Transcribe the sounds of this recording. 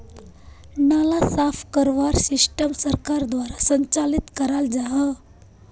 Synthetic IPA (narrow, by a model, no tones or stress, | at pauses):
nalasafkəɾʋaɾsisʈəmsəɾkaɾd̪ʋaɾasəɲt͡salit̪kəɾald͡zaɦə